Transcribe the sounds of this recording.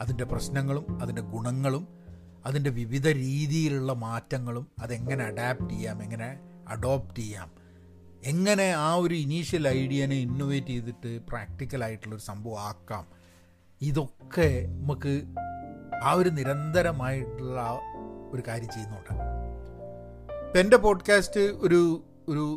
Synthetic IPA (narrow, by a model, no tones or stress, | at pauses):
ɐðinde̞prɐɕnɐŋːɐɭumɐðinde̞ɡuɳɐŋːɐɭum | ɐðinde̞ʋiʋid̪ʱɐɾiːðijiluɭːɐmaːtːɐŋːɐɭumɐðe̞ŋːɐne̞ɐɖaːp̚ʈejːaːme̞ŋːɐne̞ | ɐ̰ɖo̞ːptejːa̰ːm | e̞ŋːɐne̞aːo̞ɾuiniːʂjɐlɐjɽijɐneinːoʋeːtːejt̪ːiʈːɨpraːk̚ʈikʲːɐlaːjiʈːuɭːoɾusɐmbʱɐʋɐmaːkːa̰ːm | iðo̞kːe̞nɐmukːɨ | aːo̞ɾuniɾɐnd̪ɐɾɐmaːjiʈːuɭːɐo̞ɾukaːɾjɐmt͡ɕe̞junːukːuɳɖɐ̰ | pe̞nde̞po̞ːɖkaːstɨo̞ɾu | oɾu